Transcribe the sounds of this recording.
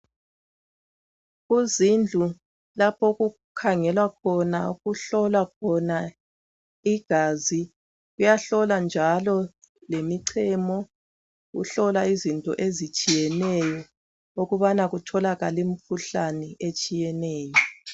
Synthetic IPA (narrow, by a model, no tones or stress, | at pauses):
ɣuzind͡ɮʱu | lapʰɔɣu | kʰaŋɛlwak̚ʰɔnauɣuɬɔlwakʰɔna | iɡ̥ʱaːzi | ɣujaɬɔland͡ʒʱalɔ | lemiǀʰɛmɔ | ɣṵɬɔlaizintʼɔ̰ʔezit͡ʃʼijɛnɛjɔ | oɣuβanaɣutʰɔlaɣalim̩fʰuɬanɛʔet͡ʃʼijɛnɛːjɔ